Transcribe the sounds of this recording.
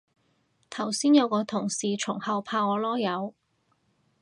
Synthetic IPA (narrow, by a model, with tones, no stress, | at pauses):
t̪ʰɐ˨˩wsiː˥njɐ˨˧wkɔː˨˧t̪ʰʊ˨˩ŋsiː˨t͡ʃʰʊ˨˩ŋhɐ˨˧wpʰaː˧ɔː˨˧lɔː˥jɐ˨˧w